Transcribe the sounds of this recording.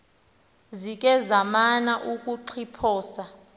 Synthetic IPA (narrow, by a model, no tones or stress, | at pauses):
zik̬ʼɛzamanaʔukʼuǃʰipʰɔːsa